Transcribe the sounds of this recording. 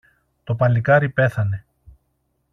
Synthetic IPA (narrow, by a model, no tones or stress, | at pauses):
t̪o̞pɐlikɐɾipe̞θɐne̞